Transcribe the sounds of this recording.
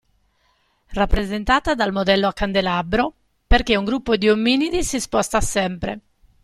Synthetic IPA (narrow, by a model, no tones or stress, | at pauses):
rapːɾezent̪aːt̪ad̪almod̪ɛlːoakːand̪elabɾo | perk̟euŋɡɾupːod̪iomːinid̪isispɔst̪asɛmpɾḛ